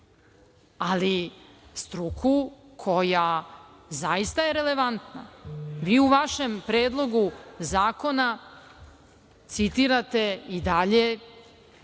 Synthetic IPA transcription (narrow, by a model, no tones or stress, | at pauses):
ali | st̪ɾukʰukʰo̞jazaist̪aje̞ɾe̞le̞ʋant̪na̰ʋiːuʋaʃe̞mpɾeːd̪lˠo̞ɡuzaːko̞na | t̪sit̪iɾat̪e̞id̪aʎe̞